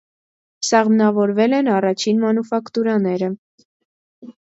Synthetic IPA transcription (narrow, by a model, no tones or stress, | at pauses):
sɑʁmnɑvɔɾvɛlɛnɑrɑt͡ʃʰinmɑnufɑkt̪uɾɑnɛɾə